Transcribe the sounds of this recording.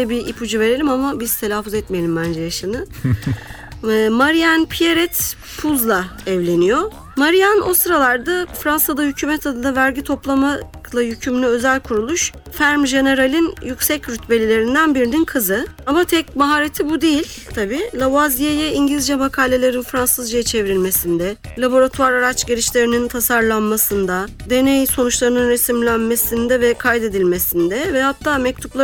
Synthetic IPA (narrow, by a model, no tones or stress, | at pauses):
ɛbiʔipʰud͡ʒuve̞ɾe̞lʲimamabiz̥t̪ʰe̞lʲaːfːuzɛt̪mejelʲimbænd͡ʒɛjaʃɯnɯ | maɾijanpʰijeɾɛt̪ | pʰuzlˠaɛvlʲe̞nijo | maɾijano̞st̪ɾalˠaɾd̪afɾansad̪ahycʰyːmɛt̪ʰad̪ɯnavæɾɟit̪ʰo̞plˠamalˠajycʰymlʲyø̞zælʲkʰuɾulˠuʃ | fæɾmʒe̞ne̞ɾalʲinjycsɛcɾyt̪be̞lʲilʲe̞ɾind̪ænbiɾininkʰɯzɯamat̪ʰɛcmaɦaːɾet̪ʰibud̪ejilʲ | t̪ʰabiːlʲˠavazijejɛiɲɟlʲizd͡ʒɛmakʰaːlʲe̞lʲe̞ɾinfɾansɯzd͡ʒajɛt͡ʃʰe̞vɾilʲme̞sind̪ɛ | lʲˠabo̞ɾat̪ʰuaɾaɾat͡ʃɟeɾiʃlʲe̞ɾinint̪ʰasaɾlˠanmasɯnd̪ad̪e̞nejso̞nut͡ʃlˠaɾɯnɯnɾesimlʲænme̞sind̪ɛvɛkʰajd̪e̞d̪ilʲme̞sind̪ɛvɛhat̪ʰːaːmɛc̚t̪ʰuplˠa